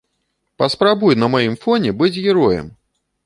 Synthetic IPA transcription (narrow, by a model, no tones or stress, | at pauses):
pɐspɾabujnɐmajimfɔnʲɛbɨd͡zʲɣʲɛɾɔjɛ̰m